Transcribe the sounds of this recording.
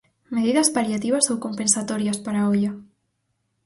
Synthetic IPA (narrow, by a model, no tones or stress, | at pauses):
meðiðɐspaɾjat̪iβɐsowkompẽnsat̪oɾjaspaɾaoʎa